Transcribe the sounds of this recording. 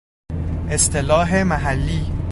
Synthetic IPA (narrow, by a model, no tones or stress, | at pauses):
ʔe̞st̪ʰelɒːɦemæɦælːiː